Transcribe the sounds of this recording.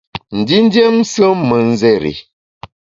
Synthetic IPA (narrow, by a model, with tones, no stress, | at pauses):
n̩˨di˦n˦dje˦m˦sə˦mə˨n̩˦zɛ˦ɾḭ˨